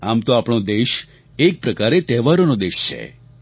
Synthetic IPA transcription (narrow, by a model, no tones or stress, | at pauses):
amt̪oapɳ̃od̪eʃ | ek̚pɾəkaɾet̪ɛʋaɾonod̪eʃt͡ʃʰḛ